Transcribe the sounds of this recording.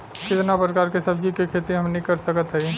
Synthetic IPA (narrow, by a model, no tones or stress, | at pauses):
kɪt̪napɾəkaːɾkesəbd͡ʒikekʰet̪iɦəmnikəɾsəkət̪ɦəj